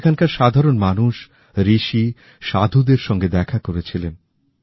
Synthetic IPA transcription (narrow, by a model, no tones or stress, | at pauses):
kʰankaɾʃad̪ʱaɾonmanuʃ | ɾiʃi | ʃa̰d̪ʱud̪eɾʃɔŋɡed̪ɛkʰakoɾet͡ɕʰilen